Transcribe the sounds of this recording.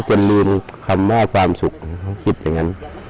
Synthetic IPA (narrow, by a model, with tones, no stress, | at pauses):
t͡ɕo˨˧˨nlɯː˧˩mkʰa˧mːɔː˧˥˨kʰwaː˧msu˨˩k̚ka˧˥˩wkʰi˧t̪̚a˨˧˩ŋa˧˥n